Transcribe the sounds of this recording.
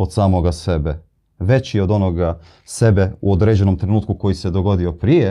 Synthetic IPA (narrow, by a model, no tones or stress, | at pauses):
od̪saːmoɡase̞be | ʋe̞t͡ɕeo̞d̪o̞no̞ɡa | se̞be̞uod̪ɾed͡ʑe̞no̞mt̪ɾenuːt̪̚kuko̞jise̞d̪o̞ɡo̞d̪io̞pɾije